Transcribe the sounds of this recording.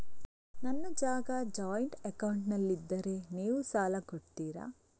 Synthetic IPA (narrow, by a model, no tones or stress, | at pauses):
nɐnːɐd͡ʒaːɡɐd͡ʒaːjɳʈekɐwɳʈnɐlːid̪ːɐɾe̞niːʋusaːlɐkoɽt̪iːɾa̰